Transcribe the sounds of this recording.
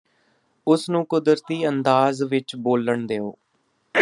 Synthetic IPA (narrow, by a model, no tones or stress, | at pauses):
ʊsnũːkʊd̪əɾt̪iːənd̪aːzʋɪt͡ʃboːləɳd̪eːo̰ː